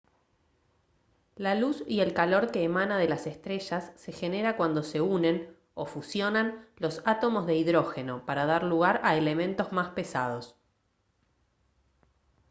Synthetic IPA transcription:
lalusie̞lkalo̞ɾke̞ːmanað̞e̞lasest̪ɾeʃasːe̞xe̞ne̞ɾakwand̪o̞se̞une̞n | o̞fusjo̞nanlo̞sat̪o̞mo̞zðe̞iðɾo̞xe̞no̞paɾað̞aɾluɣaɾaele̞mẽ̞nt̪o̞zmaspe̞sa̰ð̞o̞s

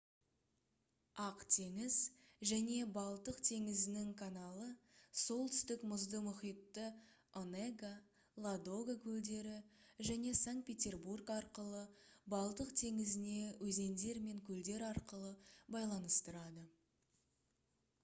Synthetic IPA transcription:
ɑqt̪ʰe̞ŋɪz | ʒæne̞bɑlˠt̪əqt̪ʰe̞ŋɪzɪnɪŋkʰanalˠəso̞lˠt̪ʰʏ̥st̪ɪkmʊzd̪əmʊχijt̪ːə | oneɡa | lˠad̪o̞ɡakʲʰɵld̪e̞ɾɪʒæne̞saŋt̪̚pʲe̞t̪ʲe̞rburkɑɾqəlˠəbɑlˠd̪əqt̪ʰe̞ŋɪzɪne̞wʔɵze̞nd̪e̞ɾme̞ŋkʲʰɵld̪e̞ɾɑɾqəlˠəbɑjlˠɑnəst̪əɾɑd̪ə

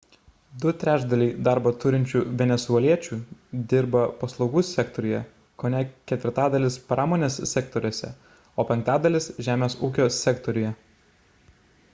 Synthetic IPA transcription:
d̪ʊt̪ʲɾʲæːd͡ʒd̪ɐlʲiɪd̪ɑˑɾbɐt̪ʊɾʲɪnʲt͡ʃʲuːʋʲɛnʲɛsuɛlʲiɛt͡ʃʲuːd̪ʲɪɾbɐpɐslˠɒʊɡuːsʲɛkt̪ɔɾʲʊjɛ | koːnʲɛkʲɛt̪ʲʋʲɪɾt̪ɑːd̪ɐlʲɪspɾɑːmoːnʲeːssʲɛkt̪ɔɾʲuɔsʲɛ̰ | oːpʲɛŋk̚t̪ɑːd̪ɐlʲɪsʒʲæːmʲeːsuːkʲoːsʲɛkt̪ɔɾʲʊjɛ

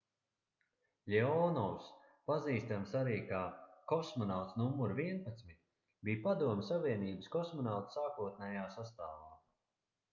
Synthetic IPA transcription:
lʲeɔnɔws | paziːst̪amsaɾiːkakɔsmɔnawt̪snumːuɾviɛnpat̪smit̪̚ʲ | biːpad̪uɔmʲsaviɛniːbəskɔsmɔnawt̪saːkuɔt̪̚nɛjaːsast̪aːvaː

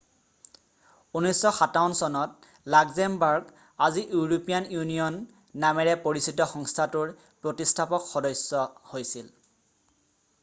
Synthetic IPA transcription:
unɔjsːɔxatawnsɔnɔt̚ | laɡzɛmbaɹɡ | aziʔuɹopijanjunijɔnː | amɛɹɛpoɹisitɔxɔŋstʰatuɹ | pɹotistʰapɔkxɔdɔjsɔhojsil

